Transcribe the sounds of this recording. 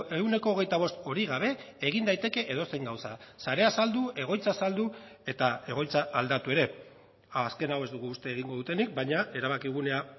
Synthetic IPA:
e̞wne̞ko̞ːɣe̞jt̪aβ̞o̞st̪o̞ɾiɣ̞aβ̞e̞ː | ɣ̞ind̪ajt̪e̞ke̞ʔeðo̞seŋɡawsa̰saɾe̞asald̪ue̞ɣ̞o̞jt͡sasald̪ue̞t̪ae̞ɣ̞o̞jt͡saʔald̪at̪ue̞ɾe̞ | ske̞nawe̞zd̪uɣ̞uːst̪e̞ːɣ̞iŋɡo̞ðut̪e̞nik̚bajɲae̞ɾaβakiɣ̞une̞a

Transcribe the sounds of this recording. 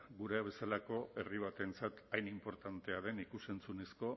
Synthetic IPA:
ɡuɾeaβ̞e̞salako̞ʔe̞riβ̞at̪e̞nt͡sat̪ajnimpo̞ɾt̪ant̪e̞aðe̞nikuse̞nt͡sune̞sko̞

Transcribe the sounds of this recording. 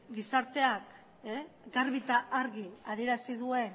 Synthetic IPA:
ɡisaɾt̪e̞ak | eɡaɾβit̪aʔaɾɣiað̞ije̞ɾasiðue̞n

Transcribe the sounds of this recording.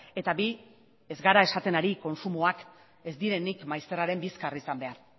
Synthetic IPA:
e̞t̪abi | e̞zɡaɾae̞sat̪e̞naɾiko̞nsumoak | e̞zd̪iɾe̞nikmajst̪e̞raɾe̞mbiskarisambe̞aɾ

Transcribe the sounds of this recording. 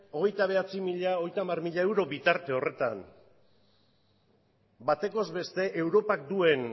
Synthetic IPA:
o̞ɣ̞e̞jt̪aβ̞e̞at͡simiʎaoɣjt̪aːmarmiʎae̞wɾo̞bit̪aɾt̪e̞o̞re̞t̪a̰n | bat̪e̞ko̞zβe̞st̪e̞ʔe̞wɾo̞pak̚d̪ue̞n

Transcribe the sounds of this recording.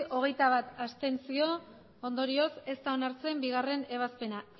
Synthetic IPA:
ʔo̞ɣ̞e̞jt̪aβat̪ast̪e̞nsio̞ | ond̪o̞ɾio̞se̞st̪ao̞naɾt͡se̞mbiɣ̞are̞ne̞β̞aspe̞na

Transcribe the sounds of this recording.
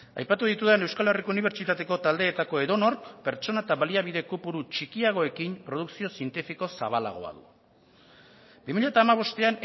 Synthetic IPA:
a̰jpat̪uð̞it̪uðene̞wskale̞rikouniβ̞e̞ɾt͡ʃit̪at̪e̞ko̞t̪ald̪e̞ːt̪ako̞e̞ðo̞no̞ɾkpe̞ɾt͡ʃo̞nat̪aβaliaβiðe̞kupuɾut͡ʃikiaɣ̞o̞e̞kimpɾo̞ð̞uksio̞sie̞nt̪ifiko̞saβala̰ɣ̞o̞̰a̰ðṵ | bimiʎat̪aːmaβ̞o̞st̪e̞an

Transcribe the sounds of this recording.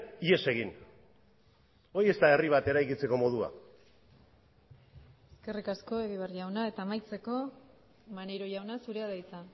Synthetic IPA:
ie̞se̞ɣ̞in | o̞je̞st̪ae̞riβ̞at̪e̞ɾajkit͡se̞ko̞mo̞ð̞ua̰ | e̞ske̞rikasko̞eɣiβ̞arʝawnae̞t̪aːmajt͡se̞ko̞ | maneɾoʝawnasuɾeaðajt͡sa

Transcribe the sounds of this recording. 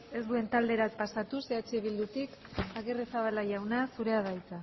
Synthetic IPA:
e̞sd̪ue̞nt̪ald̪e̞ɾapasat̪use̞at͡ʃeβ̞ild̪ut̪ikaɣeresaβalaʝawnasuɾe̞aðajt͡sa

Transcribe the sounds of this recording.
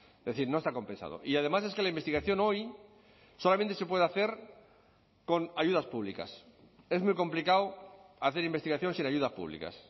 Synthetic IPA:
d̪eθiɾno̞est̪ako̞mpe̞nsa̰ðo̰ʔiað̞e̞mase̞ske̞laimbest̪iɣaθjo̞no̞j | so̞lamẽnt̪ese̞p̬we̞ð̞aθe̞ɾ | ko̞naʝuð̞aspuβ̞lika̰s | e̞zmujko̞mplikawaθeɾimbet̪iɣaθjo̞nsinaʝuð̞aspṵβlḭka̰s

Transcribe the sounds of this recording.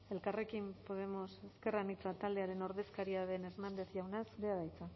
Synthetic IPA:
e̞lkare̞kimpo̞ð̞e̞mo̞se̞ske̞ranit͡sat̪ald̪eaɾe̞no̞ɾðe̞skaɾiaðe̞ne̞znand̪e̞θʝawnasbeaðajt͡sa

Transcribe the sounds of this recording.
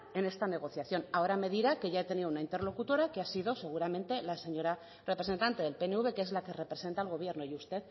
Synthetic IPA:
e̞ne̞st̪ane̞ɣ̞o̞θjaθjo̞nao̞ɾame̞ðiɾake̞ʝaet̪e̞niðounaint̪e̞ɾlo̞kut̪o̞ɾakeasiðo̞se̞ɣ̞uɾamẽ̞nt̪e̞lase̞ɲo̞ɾa | re̞pɾese̞nt̪ant̪e̞ðe̞lpe̞neuβ̞e̞keezlake̞repɾe̞se̞nt̪aelɣo̞β̞je̞ɾno̞just̪e̞ð

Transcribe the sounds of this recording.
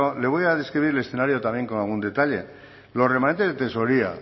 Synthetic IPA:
ole̞β̞o̞jaðe̞skɾiβ̞iɾele̞sθe̞naɾjo̞t̪amje̞ŋko̞nalɣ̞und̪e̞t̪aʎe̞̰ | lo̞re̞mãnent̪e̞zðet̪e̞so̞ɾia̰

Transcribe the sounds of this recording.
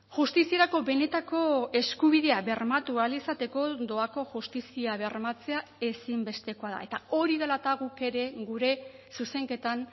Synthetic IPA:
ʝust̪isie̞ɾako̞βe̞ne̞t̪ako̞e̞skuβ̞iðe̞aβe̞rmat̪ualisat̪e̞ko̞d̪o̞ako̞ʝust̪isiaβe̞rmat͡se̞ae̞simbe̞st̪e̞ko̞aða̰e̞t̪ao̞ɾiðelat̪aɣuke̞ɾe̞ɣuɾe̞suse̞ŋke̞t̪an

